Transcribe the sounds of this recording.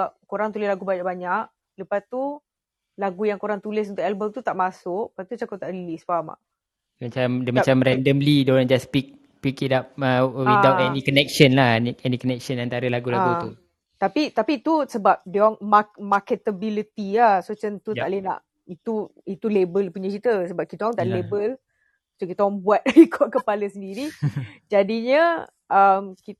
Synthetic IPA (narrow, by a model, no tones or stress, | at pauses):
ap̚koɾaŋt̪ulɪslaɡubaɲaʔbaɲaʔ | ləpast̪u | laɡujaŋkoɾaŋt̪ulɪsunt̪ʊʔɛlbəmt̪ut̪aʔmasʊʔ̚pat̪ut͡ʃakʊt̪aʔdilisfaama̰ʔ | dmat͡ʃamdəmat͡ʃamɾɛndəmlidond͡ʒaspik̚ | pikidapəwid̪awtɛnikɔnɛk̚ʃənlahniɛnikɔnɛk̚ʃənant̪aɾəlaɡulaɡut̪u | t̪apit̪apit̪usəbap̚dɔŋmamakət̪əbilit̪iahsot͡ʃənt̪ut̪a̰ʔlena̰ʔ | it̪uit̪ulebəlpuɲakit̪əsəbap̚kit̪aɔŋt̪aʔlebəl | t̪ukit̪aɔŋbuat̪̚ikʰɔʔkəpaləsəndiɾid͡ʒadiɲə | əmki